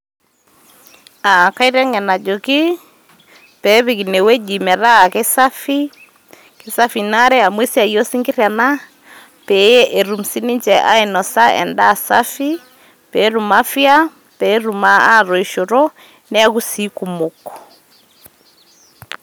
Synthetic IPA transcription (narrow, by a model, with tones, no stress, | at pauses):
a˨ka˦i˦ɾɛ˦ŋɛ˨na˨d͡ʒo˨kɪ˦ | pɛ˨˦βi˨ki˨ne˨wɛ˦d͡ʒi˨mɛ˨ɾa˦˨ke˦sa˦fi˦ | ke˨sa˦fi˨na˦ɾɛ˦a˨mwe˦sja˨jɔ˦si˦ŋɡɪ˦ɾja˨na˦ | pɛ˨˦jɛ˦ʔe˨ɾu˨m̩si˦ni˦ɲt͡ʃɛ˨ʔa̰˦e˨nɔ˨sa˦ʔɛ̰˨nda˦˨sa˦fi˦ | pɛ˨˦ɾu˨ma˦fja˦ | pɛ˨˦ɾu˨ma˦a˦˨ɾɔ˨i˨ʃo˨ɾɔ˦ | nɛ˦a˦ku˦si˦ku˨mo˨kɔ̥˨